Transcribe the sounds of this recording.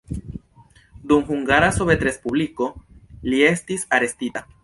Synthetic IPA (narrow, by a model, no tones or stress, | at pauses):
d̪umhuŋɡaɾasoβet̪ɾe̞spubliko̞lie̞stisaɾe̞stita